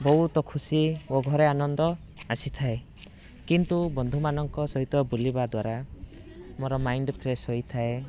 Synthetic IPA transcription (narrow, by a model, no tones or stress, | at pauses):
bɔɦut̪ɔkʰusioɡʱɔɾeanɔnd̪ɔ | asit̪ʰae | kint̪ubɔnd̪ʱumanɔŋkɔsɔɦit̪ɔbulibad̪waɾa | moɾɔmajɳɖpʰɾesɦojt̪ʰae